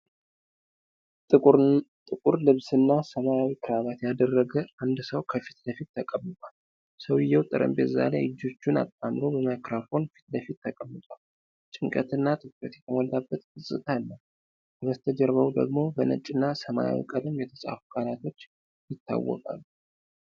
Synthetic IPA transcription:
t̪ʼɨkʼuɾlɨβsɨnːasəmajawikʰɨɾaβat̪jad̪ərːəɡəʔand̪səwkʰəfi̥t̪ləfit̪ːʰəkʼəmːɨt̪ʼwal | səwɪjːɛwt̪ʼɨɾʔə̰mbeza̰lejɨd͡ʒo̞t͡ʃːuna̰t̪ʼːamɾo̞bəmakɾafo̞nfi̥t̪ləfit̪ːʰəkʼəmːɨt̪ʼwal | t͡ʃʼɪŋkʼət̪ɨnːat̪ʰʼɨkɾət̪jɛt̪ʰəmɔlːabːət̪ɡɨsʼɨ̰t̪ʼʰalːəw | bəst̪ʰəd͡ʒəɾβəwd̪ə̰ɡmo̞bənə̰t͡ʃʼɨnːasəma̰ja̰wḭkʼələmjɛt̪ʰəsʼa̰fukʼalat̪ʰo̞t͡ʃː | jɪt̪ʰːa̰wːɔ̰kʼa̰lːu

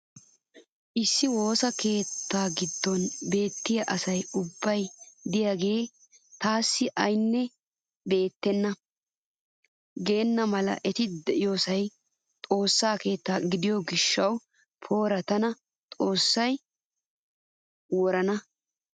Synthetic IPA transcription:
ʔɪsːɪwo̞ːsɐke̞ːt̪ːaːɡɪd̪ːɔnbe̞ːt̪ːɪjɐʔɐsɐjʊbːɐjd̪ɪjaːɡe̞ː | t̪aːsːɪʔɐjnːɛ | be̞ːt̪ːɛnːɐ | ɡe̞ːnːɐmɐlɐ̰ʔɛt̪ɪd̪ɛʔɪjo̞ːsɐj | t̪ʼo̞ːsːaːke̞ːt̪ːaːɡɪd̪ɪjoɡɪʃːɐw | pʰo̞ːɾɐt̪ɐnɐ | t̪ʼo̞ːsːɐj | wɔɾɐnɐ

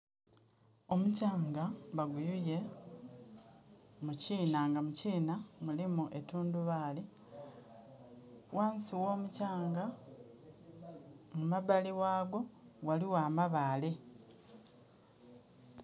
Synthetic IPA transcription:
o̞mucaːŋɡaβaɡujuje̞ | muciːnaːŋɡamuciːnamulimuʔe̞tuːnduβaːli | wʔaːnsiwo̞ːmucaːŋɡa | mumaβaliwaːɡo̞waliwaːmaβaːle

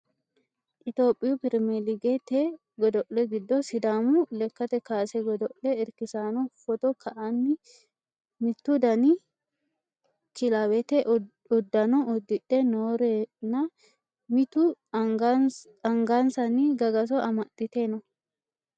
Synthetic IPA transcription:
ʔɪt̪o̞ːpʼːɪjupɪɾmɛlɪɡɛt̪e | ɡɔd̪ɔʔlɛɡɪd̪ːɔsɪd̪aːmulɛkːɐt̪ɛkaːsɛɡɔd̪ɔʔlɛɪɾkɪsaːnɔfɔt̪ɔkʰɐʔanːɪ | mɪt̪ːud̪ɐni | kɪlawɛt̪ɛ | ʊd̪ːɐnɔɔd̪ːɪᶑɛnoːɾenɐ | mɪt̪u | ɐŋɡaːnsɐniɡɐɡɐs̬ɔʔɐmɐt̪ʼːɪt̪enɔ

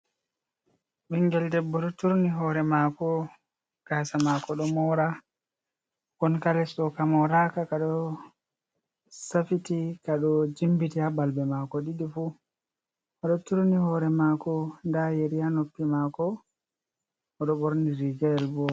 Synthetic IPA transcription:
ɓiŋɡɛldɛbːɔɗɔtuɾniɦɔɾɛmakɔ | ɡ̥aːsamakɔɗɔmɔɾa | kɔnkalɛsɗɔkamɔɾakakaɗɔ | safitikaɗɔd͡ʒimbitiabalbɛmakɔɗiɗifu | ɔɗɔtuɾnihɔɾɛmakɔndajeɾijanopːimakɔ | ɔɗɔɓoɾniɾiɡɛɛlbɔ

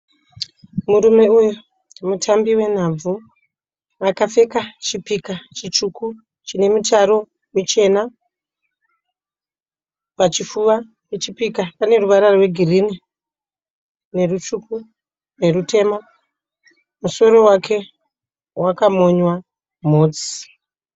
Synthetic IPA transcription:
muɾume̞uju | mutʰambiwe̞n̤ab͡vu | akafe̞kat͡ʃipikat͡ʃit͡ʃuku | t͡ʃine̞mutaɾo̞ | mut͡ʃe̞na | pat͡ʃifuʋa | et͡ʃipikapane̞ruʋaɾarwe̞ɡʱirini | ne̞rut͡ʃuku | ne̞rutʰe̞ma | muso̞ɾo̞wakʰe̞ | wakamo̞ɲwa | m̤oːd͡zi̥

